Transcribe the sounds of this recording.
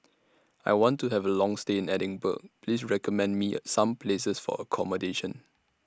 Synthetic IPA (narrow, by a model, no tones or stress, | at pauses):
ajwɔ̃ntːuɦɛvəlɔ̃ŋsteɪ̃nɛɾɪ̃ŋbə̰k̚pʰlisɹɛkəmɛ̃nmisãmpʰlesəsfɔ̰əkʰɔmədeʃə̃n